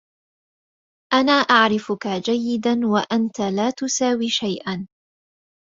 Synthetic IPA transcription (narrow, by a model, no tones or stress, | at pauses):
ʔanaːʔaʕɾɪfʊkad͡ʒajːɪd̪anwaʔant̪alaːt̪ʊsaːwiːʃajʔan